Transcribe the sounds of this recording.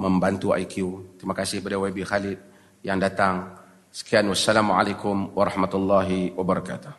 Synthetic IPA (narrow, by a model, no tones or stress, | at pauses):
məmbant̪ua̰jkʰiut̪ɾimakasɪhbərdawabixalɪt̪̚ | jaŋdat̪aŋ | sə̥kianwasːalamuʕa̰lajkʊmwaɾˤɑhmat̪ulːaɦiwabəɾɑka̰t̪u̥h